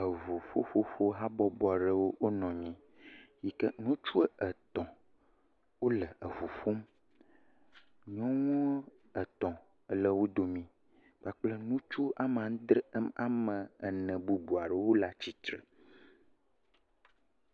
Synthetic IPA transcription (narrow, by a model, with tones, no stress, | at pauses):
ə˨vu˨fo˦fo˦fo˦ɦa˦bɔ˦bɔ˨a˨ɖə˦wo˦wo˦nɔ̃˨ɲɛ̃˦ | ji˨kə˦nũ˦t͡ʃu˦ə˦ə˨t̪ɔ̃˨ | wo˦lə˨ə˨vu˨fo˦m | ɲɔ̃˦ŋɔ̃˦ | ə˨t̪ɔ̃˨ | ə˦lə˦wo˦d̪o˨mĩ˨ | k͡pa˨k͡plə˦nũ˦t͡ʃu˦a˨m˨ã˨˦d̪ɾə˦ma̰˨mə̃˨ə˨nə̃˨bu˨bu˨a˨ɖɛ˨wo˦la˦t͡ɕi˦t̪ɾə̰˨